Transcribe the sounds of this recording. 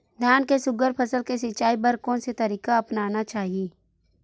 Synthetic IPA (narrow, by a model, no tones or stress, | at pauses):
d̪ʱjaːnkesʊɡəɾpʰəsəlkesɪt͡ʃaːipɐɾkõnset̪ɐɾiːkaɐpnaːnat͡ʃaːɦieː